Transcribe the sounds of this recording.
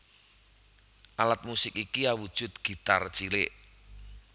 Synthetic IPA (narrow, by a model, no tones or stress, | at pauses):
ʔalat̪̚musɪkikiawud̥ʒ̥ʊ̤t̪̚ɡ̥i̤t̪art͡ʃilḛʔ